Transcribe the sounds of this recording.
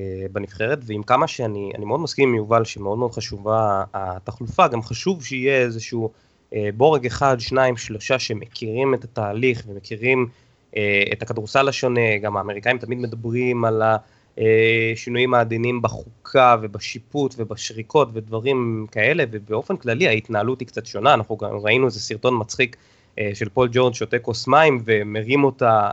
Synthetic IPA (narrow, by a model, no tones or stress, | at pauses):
benifχe̞ʁetveimkamaʃeania̰nimeo̞d̪maskimːejuvalʃeme̞odmeod̪χaʃuvaːt̪aχlufaɡamχaʃuvʃeijeezeʃu | ebo̞ʁeɡeχad̪ʃnaimʃlo̞ʃaʃemekʰiʁime̞tataːliχve̞me̞kiʁim | eetakadʁusalaʃo̞ne̞ɡamaːme̞ʁikaimt̪amid̪medabʁimala | eʃinujimaːd̪inimbaχukʰave̞baʃiputve̞baʃʁikʰo̞tve̞dvaʁimkae̞le̞vebeo̞fe̞nklaliaitnaalutikt͡satʃo̞naaːnaχnuɡa̰mʁainuezesiʁto̞nmat͡sχik | ʃe̞lpo̞ld͡ʒo̞ʁdʃotekosmaimve̞meʁimo̞ta